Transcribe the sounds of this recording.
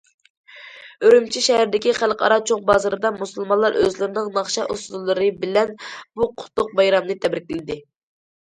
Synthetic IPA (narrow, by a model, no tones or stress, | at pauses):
øɾymt͡ʃʰiʃɛhæɾd̪ɪkʲiχælˠqɑ̰ɾɑt͡ʃʰoqbɑzɨɾɨd̪ɑmusulˠmɑnlˠɑɾøzlɨɾɪnɨŋnɑχʃɑʔusd̪lˠːɨɾɨbɪlɛnbuqʰʊ̥t̪ʰːʊq̚bɑjɾɑmnɨt̪ʰɛbɾɪkʲɪlɪd̪ɪ